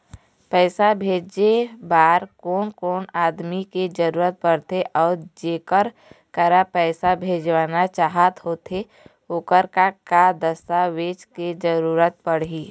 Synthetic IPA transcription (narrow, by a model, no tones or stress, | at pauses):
pɛːsabʱeːd͡ʒebaːɾkoːnkoːnaːd̪miked͡ʒəɾuːɾət̪̚pəɽt̪eʔɔːɾd͡ʒeːkəɾ | kəɾapɛːsabʱeːd͡ʒʋaːnat͡ʃaːɦət̪ɦoːt̪e | okəɾkakad̪əst̪aʋeːt͡ʃked͡ʒəɾuːɾət̪̚pəɽɦiː